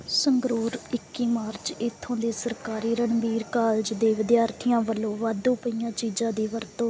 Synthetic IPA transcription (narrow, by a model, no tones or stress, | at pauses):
səŋɡɾuːɾɪkːiːmaːɾt͡ʃɪt̪ʰːõːd̪eːsəɾkaːɾiːɾəɳbiːɾkaːld͡ʒd̪eːʋɪd̪jaːɾt̪ʰijãːʋəlːõːʋaːd̪õːpəijãːt͡ʃiːd͡ʒãːd̪iːʋəɾt̪õː